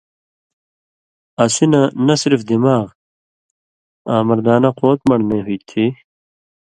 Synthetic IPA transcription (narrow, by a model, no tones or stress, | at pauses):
ɐsinɐnɐsiɾfd̪imaːʁ | aːmɐɾd̪aːnɐqoːt̪mɐɽneːɦujt̪ʰi